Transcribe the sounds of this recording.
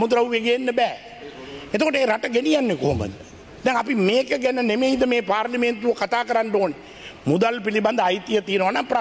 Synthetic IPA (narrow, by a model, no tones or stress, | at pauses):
mud̪ɾauʋeɡeːnːəbɛː | et̪okoʈəeːɾaʈəɡenijanːeko̰ːmə̰d̪ | d̪ɛŋapimeːkəɡænənemeid̪əmeːpaːɾliment̪uʋəkat̪aːkəɾanɖoːne | mud̪alpiliband̪əajt̪ijət̪iːənəʋanaŋpɾa